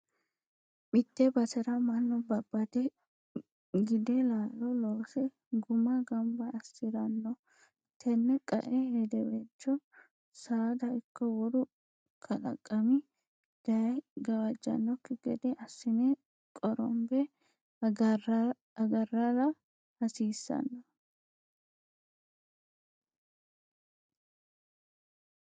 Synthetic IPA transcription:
bɪt̪ːɛbɐt̪ɛɾɐmɐnːɔbɐbːɐt̪ɛ | ɡɪd̪ɛlaːlɔloːsɛ | ɡʊmɐɡɐmbɐɐsːɪɾɐnːɔ | t̪ʰɛnːɛkʼɐ̰ʔɛhɛd̪ɛbɛt͡ʃːɔ | saːd̪ɐʔɪkːɔwɔd̪ʊ | kʰɐlɐ̰kʼːɐmɪ | d̪̥ɐɡɐwɐd͡ʒːɐ̰nːɔkːɪɡɛd̪ɛʔɐsːɪne | kʼɔɾɔ̰mbɛ | ɐɡɐrːɐɾɐ | hɐsiːsːɐ̰nːɔ

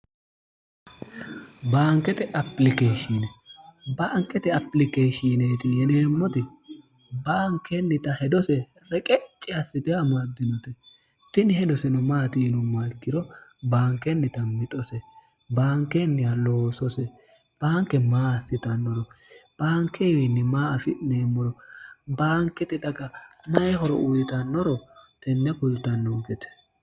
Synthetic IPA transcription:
baːŋkːɛt̪ɛʔɐplɪkeːʃinɛbaːŋkʼːɛt̪ɛɐpːlɪkeːʃineːt̪ɪjɛneːmːɔt̪ɪ | baːŋkʰːɛnːɪt̪ɐhɛd̪ɔsɛ | ɾɛkʼɛt͡ʃʼːɪɐsːɪt̪ɪamad̪ːɪnɔt̪ɛ | t̪ɪnɪhɛd̪ɔsɛnɔmaːt̪inɔmalkːɪɾɔbaːŋkːɛnːɪt̪ɐmɪt̪ʼɔsɛ | baːŋkːɛnːɪjaloːsɔsɛ | b̥aːŋkːɛmaːsːɪt̪ɐnːɔɾɔb̥aːŋkʰːɛwɪnːɪmaːɐfɪneːmːɔɾɔbaːŋkːɛt̪ɪd̪ɐɡɐnɐjɛɦɔɾɔ̰ʔʊjɪt̪ɐnːɔɾɔt̪ɛnːɛkʊlt̪ɐnːɔɡɛt̪ɛ̥

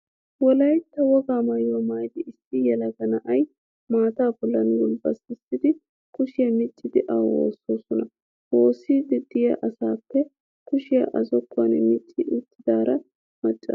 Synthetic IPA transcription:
wɔlɐjt̪ːɐwɔɡaːmɐjɔmaːjd̪ɪʔɪsːɪjɛlɐɡɐnɐʔɐj | maːt̪aːbɔlːɐnwʊlbɐsɪsɪd̪ɪ | kʊʃɪjɐmɪt͡ʃʼːɪd̪ɪʔɐwo̞̰ːsoːsɔnɐ | woːsːiːd̪ɪd̪̥ɪjɐʔɐsaːpːɛ | kʊʃɪjɐ̰ʔɐzɔkʰʼːwɐnɛmɪt͡ʃʼːɪʔʊt̪ːɪd̪aːɾɐ | mɐt͡ʃʼːɐ̰

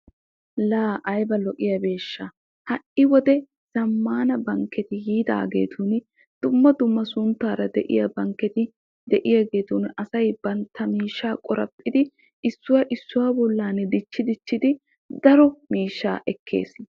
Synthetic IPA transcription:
laːʔɐjbɐlɔʔɪjɐbe̞ːʃːɐ | hɐʔɪwɔd̪ɛ | z̥ɐmːaːnɐbɐŋkːɛt̪ɪhiːd̪a̰ːɡe̞̰ːt̪ʰun | d̪̥ʊmːɐd̪ʊmːɐsʊnt̪ːaːɾɐd̪ɛʔɪ̰jɐbɐŋkːɛt̪ɪ | d̪ɛʔɪjaːɡe̞ːt̪unɐsɐjb̥ɐnt̪ːɐmiːʃːaːkʼɔɾɐ̰pʼːɪd̪ɪ | ʔɪsːʊwɐʔɪsːʊwaːbɔlːaːnːɛd̪ɪt͡ʃːɪd̪ɪt͡ʃːɪd̪ɪ | d̪ɐɾɔmiːʃːa̰ːʔɛkʰːe̞̰ːs

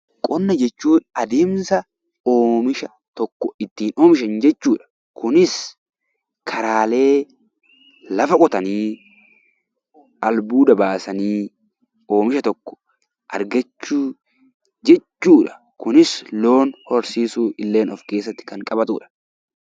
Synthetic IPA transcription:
kʼɔnːɐd͡ʒɛt͡ʃːuːᶑɐ̥ʔɐd̪eːmsɐ | oːmɪʃɐ | t̪ɔkːɔɪt̪ːiːno̞ːmɪʃ̬ɐnd͡ʒɛt͡ʃːuːᶑɐ̥ | kʊnɪs | kʰɐɾaːle̞ː | lɐfɐkʼɔt̪ɐniː | ʔɐlbuːd̪ɐbaːsɐniː | o̞ːmɪʃɐt̪ɔkːɔ̥ | ʔɐ̰ɾɡɐt͡ʃːuː | d͡ʒɛt͡ʃːuːᶑɐ̥ | kʊnɪslo̞ːnhɔɾsiːsuːɪlːe̞ːnɔfke̞ːs̬ːɐt̪ːɪ̥kɐŋkʼɐbɐt̪ṵːᶑɐ̥

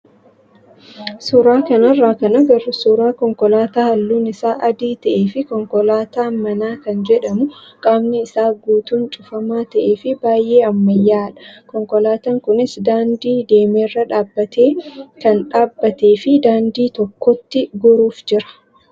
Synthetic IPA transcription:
suːɾaːkɐnɐrːaːkɐnɐɡɐɾʊsuːɾaːkɔŋkɔlaːt̪aːhɐlːuːnɪsaːʔɐd̪iːt̪ɐʔe̞ːfɪkɔŋkɔlaːt̪aːmɐnaːkɐnd͡ʒɛᶑɐmʊkʼaːbnɪɪsaːɡuːt̪uːnt͡ʃʼʊfɐmaːt̪ɐʔe̞ːfɪbaːjʔe̞ːɐmːɐjːaːᶑɐ̥kɔŋkɔlaːt̪ɐŋkʊnɪsd̪aːnd̪iːd̪e̞ːmeːrːɐᶑaːbːɐt̪eːkɐnᶑaːbːɐt̪e̞ːfɪd̪aːnd̪iːt̪ɔkːɔt̪ːɪɡʊɾuːfd͡ʒɪɾɐ̥

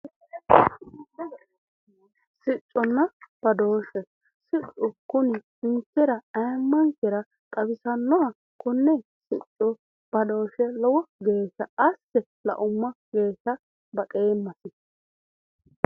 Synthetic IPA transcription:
sɪt͡ʃʼːɔnːɐb̥ɐd̪o̞ːʃɛ | sɪt͡ʃʼːʊkʊnɪ | ɪnt͡sːɛɾɐɐjmːɐŋkɛɾɐ | kʼɐbɪsɐnːɔɐ | kʊnːɛ | sɪt͡ʃʼːɔ | b̥ɐd̪o̞ːʃɛlɔwɔɡe̞ːsɐʔɐsːɛ | lɐ̰ʔʊmːɐɡ̥e̞ːsɐ | bɐkʼeːmːɐsɪ

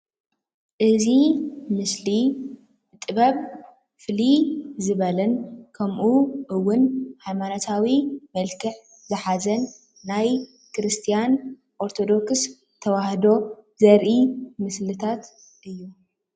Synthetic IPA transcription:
ʔɨzimɨsli | t̪ʼɨβɐβ | fɨlizɨβɐlɐnkʰɐmʔuʔɨwːʊnhajmanot̪ʰawimɐlkʰɨħ | zɨħazɐnː | aj | kɾɨst̪ʰijan | ʔoɾt̪ʰo̞d̪o̞ks | t̪ʰɐwahd̪o̞zɐɾʔimɨslɨt̪ʰat̪ | ʔɨjːu

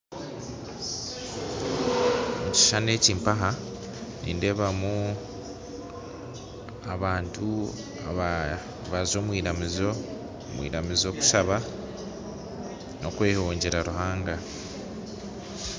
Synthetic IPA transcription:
muci̥ʃane̞ːciːmpaɦa | nḭːnde̞βamu | aβaːntʰu | a | βazo̞ːmwiːɾamizo | mwḭːɾamizo̞ːku̥saβa | no̞kwe̞ːhoːɲɟe̞ɾaɾuhaːŋɡa

